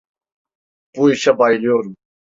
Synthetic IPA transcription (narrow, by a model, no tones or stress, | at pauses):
puiɕɐbaːiljoːɾu